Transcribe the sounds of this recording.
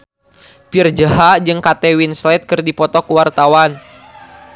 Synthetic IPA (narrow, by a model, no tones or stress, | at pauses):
pird͡ʒəɦad͡ʒɨŋkat̪ɛwinslɛt̪̚kɨrdipɔt̪ɔkuwart̪awan